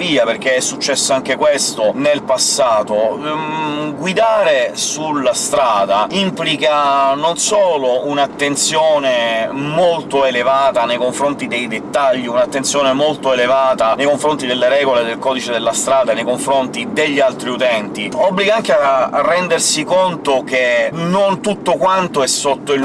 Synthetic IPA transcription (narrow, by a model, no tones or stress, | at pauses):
viːaperk̟eɛsːut͡ʃːɛsːoaŋk̟ekwest̪onelpasːaːt̪o | ɡwid̪aːɾesulːast̪ɾaːd̪aimplikanonsoːlounat̪ːent̪sjoːnemolt̪oelevaːt̪anejkoɱfɾont̪id̪ejd̪et̪ːaʎːiunat̪ːent̪sjɔːnemolt̪oelevaːt̪anejkoɱfɾont̪id̪elːeɾɛːɡoled̪elkɔːd̪it͡ʃed̪elːast̪ɾaːd̪anejkoɱfɾont̪id̪eʎːialt̪ɾiut̪ɛnt̪iɔbliɡaaŋkearːɛnd̪ersikont̪ok̟enont̪ut̪ːokwant̪oɛsːot̪ːoil